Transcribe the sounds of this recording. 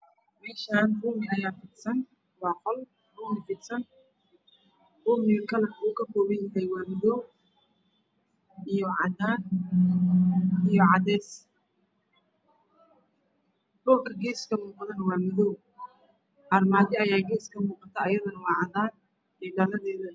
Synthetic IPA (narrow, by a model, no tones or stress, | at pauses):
mɛːʃaːnrʊːmɪnɐjaːfiːd̪sɐn | wɑːqɔl | ruːmɪfiːd̪sɐn | rʊːmɪkʰɐlɐnuːkʰɐkɔːβɛjjɪɦɛjwɑːmɔðɔw | ʔijɔʕɑ̰d̪aːn | ijɔʕɑd̪ɛːs | ɖʊlkʰɐɡɛːskʰɐmuːqðɐnwɑːmɔðɔw | hɐrmaːðɪɐjaːɡɛːskʰɐmuːqɑt̪ʰɐːjɐðɐnɐwɑːʕɑd̪aːn | ɛːɖɐlɐðɛːðɐ